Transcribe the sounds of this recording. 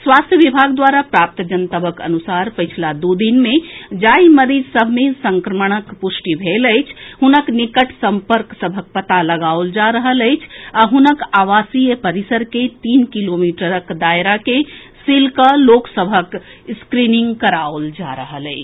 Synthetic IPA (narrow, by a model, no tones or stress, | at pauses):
swast̪ʰjəʋibʱaɡd̪waːɾapɾaːp̚t̪d͡ʒənt̪əbəkə̰nusaɾpət͡ʃʰlad̪ud̪inmẽd͡ʒaiməɾiːd͡ʒsəbʱmẽsə̃ŋkɾəməɽ̃əkpʊsʈibʱeləɪt͡ʃʰɦunəknikəʈʰsə̃mpəɾksəbʱək̚pət̪aləɡaold͡ʒaɾəɦələjt͡ʃʰaɦunəkaʋasijəpəɾisəɾket̪iːnkilomiʈəɾəkd̪ajɾake | silkəloːksəbʱək | skɾinĩŋɡkəɾaold͡ʒaɾəɦələɪt͡ʃʰ